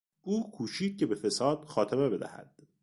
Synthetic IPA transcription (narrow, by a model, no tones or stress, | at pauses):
ʔuːkʰuːʃiːd̪̚ce̞befe̞sɒːd̪̥xɒːt̪ʰeme̞be̞d̪æ̰hæ̰d̪̥